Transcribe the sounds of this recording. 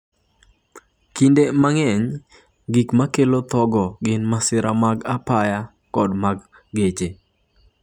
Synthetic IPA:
kindemaŋɛɲ | ɡikmakelot̪ɔɡɔɡɪnmasɪɾʔamaɡapaja | kɔdmaɡː | et͡ʃe

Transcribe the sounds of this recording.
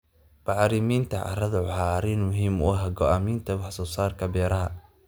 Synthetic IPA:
b̥ɑʕɾɪmiːnt̪ʰɐʕɑ̰rɐðɐʕħaːɾɪnmʊɦiːmɔːɦɐɡɔʔaːmiːnt̪ʰɐwɑħsɔːsaːrkʰɐbɛːɾɐɦɐ

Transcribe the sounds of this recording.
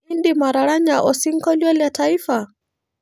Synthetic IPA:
ndimaɾaɾaɲaʔɔsiŋ̩kɔljɔljataifa

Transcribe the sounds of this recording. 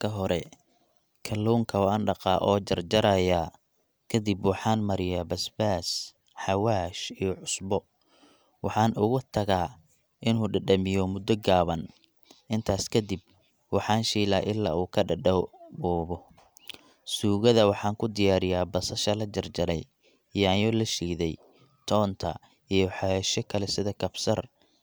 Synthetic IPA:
kʰɐɦɔɾɛ | kʰɐlːuwŋkʰɐwɑːnɖɑqɑ̰ːʔɔːd͡ʒɐrd͡ʒɐɾɐjaː | kʰɐd̪ibwħɑːnmɐɾɪjaːbɐsbaːs | ħɑwaːʃijɔʕʊsbɔ | wʔɑħɑːnʔʊɣʊt̪ʰɐɣaː | ʔɪnuːɖɐɖɐmɪjɔmʊd̪ɔɡaːβɐn | ʔɪnt̪ʰaːskʰɐd̪ib̚ | wɑħɑːnʃiːlaːʔɪlːa̰ːuːkʰɐɖɐɖɐbɔːβɔ | suːɣɐðɐwɑħɑːŋkʰʊd̪ɪjaːɾɪjaːbɐsɐʃɐlɐd͡ʒɐrd͡ʒɐɾɛ̰j | ijaːjɔlɐʃiːðɛj | t̪ʰɔːnt̪ʰɐ̰ | ijɔħɑjɛʃɔkʰɐlɛsɪðɐkʰɐbsɐr

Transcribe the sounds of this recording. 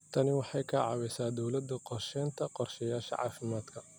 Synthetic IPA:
t̪ʰɐnɪwɑħɑjkʰɐʕɑ̰wɛjsaːd̪ɔwlɐd̪ɐqɔrʃɛːnt̪ʰɐqɔrʃɐjaːʃɐ̰ʕɑ̰ːfɪmaːd̪kʰɐ

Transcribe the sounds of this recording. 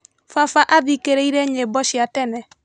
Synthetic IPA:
fafaʔaðikeɾɛiɾɛɲebɔʃjatɛnɛ

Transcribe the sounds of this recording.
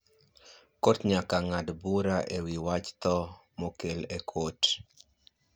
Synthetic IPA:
kotɲakaŋadbuɾaʔewiwat͡ʃt̪ɔ | mokelekʰot

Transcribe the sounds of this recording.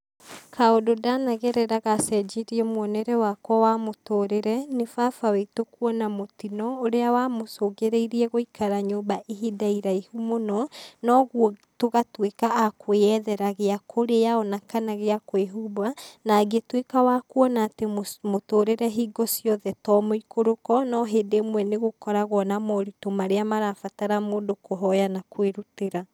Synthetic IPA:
kʰaododanaɣeɾɛɾaɣasɛd͡ʒeɾiɛmwɔnɛɾɛwakwɔwamotoɾeɾɛnefafawetokwɔnamotinɔoɾeawamosoɣeɾeiɾiɛɣoikʰaɾaɲoːbaʔiɦidaiɾaihumonɔnɔɣwɔtoɣatwekaːkʰwɛðɛɾaɣeakʰoɾeaɔnakanaɣeakoeɦubanaɡetwekawakwɔnaːtemmotoːɾeɾɛɦiɡɔsjɔðɛtɔmoikoɾokɔnɔɦeːndemwɛneɣokɔɾaɣwɔnamɔɾitomaɾeamaɾafataɾamoːndokoɦɔjanakweɾuteɾa

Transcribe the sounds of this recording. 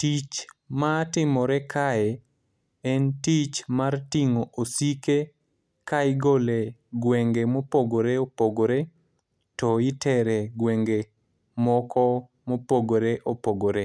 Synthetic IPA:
tit͡ʃmatɪmɔɾɛkʰaɛ | ɛntit͡ʃmartiŋoʔosike | kaɪɡoleɡweŋɡemopoɡoɾeopoɡoɾe | tɔɪtɛɾɛɡweŋɡe | mɔkɔ | mopoɡoɾeʔopoɡoɾe

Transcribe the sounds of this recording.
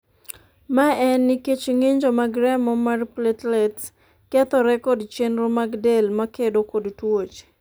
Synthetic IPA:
maɛnːiket͡ʃŋeɲd͡ʒomaɡɾɛmɔmarplɛtlɛt | kɛt̪ɔɾɛkɔdt͡ʃenɾomaɡdelmakedokodtwot͡ʃ

